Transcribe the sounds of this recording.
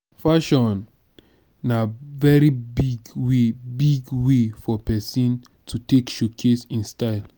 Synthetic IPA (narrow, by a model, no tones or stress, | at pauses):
faʃɔ̃n | navɛɹibiɡwebiɡwefɔpɛsĩn | tʰutekʃokʰesĩnstaɪl